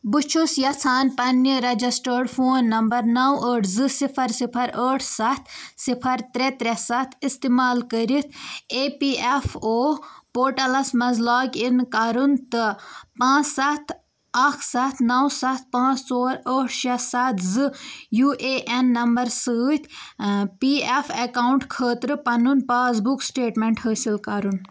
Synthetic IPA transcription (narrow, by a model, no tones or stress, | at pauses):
bɨt͡ʃʰusjɐt͡sʰaːnpɐnːiɾɐd͡ʒisʈəːɽfʰoːnːɐmbɐɾnɐwəːʈʰzɨsipʰɐɾsipʰɐɾəːʈʰsɐt̪ʰsipʰɐɾt̪ɾet̪ɾesat̪ʰist̪imaːlkəɾit̪ʰeːpiefʰoːpoːɾʈɐlɐsmɐzlaːkʲinkaɾunt̪ɨpãːt͡ssat̪ʰ | ɐkʰsat̪ʰnɐwsat̪̚ʰpãːt͡st͡soːɾəːʈʰʃɐsat̪ʰzɨjuːʔeːʔenːɐmbɐɾsəːt̪ʰpiefʰɐkaːwuɳʈkʰəːt̪ɾɨpɐnunpaːzbuksʈeːʈmeɳʈɦəːsilkɐɾun